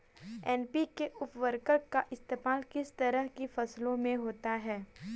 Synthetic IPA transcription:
ɛːnpikeʔʊpʋəɾkəkkːaʔɪst̪eːmaːlkɪst̪ɐɾəɦkifɐslõmẽɦoːt̪aɦɛː

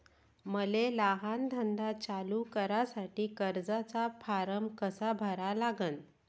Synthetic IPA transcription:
məlelaɦand̪ʱənd̪at͡salukəɾasaʈiːkəɾd͡zat͡sapʰaɾəmkəsabʱəɾalaɡən

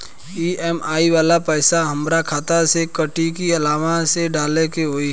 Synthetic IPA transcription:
iɛmaːiʋaːlapɛːsaɦəmɾakʰaːt̪asekəʈikiɐlaːʋaseɖaːlekeɦoːi

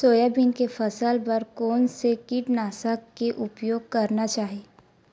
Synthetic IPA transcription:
soːjabinkefʰɐsəlpɐɾkoːnsekiʈnaːsakkeʔʊpjoːɡ̚kɐɾnat͡ʃaːɦeː

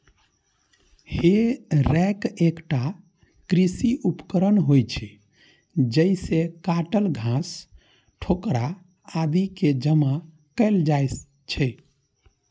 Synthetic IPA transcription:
heɾɛkekʈa | kɾisiupkəɾənɦojt͡ʃʰɛ | d͡ʒəisekaʈəlɡʱãs | ʈʰokɾaː | d̪iked͡ʒəma | kəɪld͡ʒaj | t͡ʃʰɛ

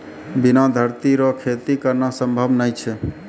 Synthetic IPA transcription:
binad̪ʱəɾt̪iɾɔkʰet̪ikəɾnasəmbʱəbnəjt͡ʃʰɛ

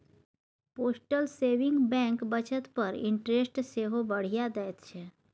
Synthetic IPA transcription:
poːsʈəlseːʋɪ̃ŋɡbɛ̃ːŋkbət͡ʃət̪pəɾɪ̰̃ɳʈɾesʈseɦobəɽ̤ijad̪ɛjt̪t͡ʃʰɛ

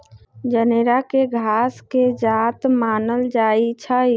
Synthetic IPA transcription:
d͡ʒəneɾakeɡʱasked͡ʒat̪maːnəld͡ʒait͡ʃʰə

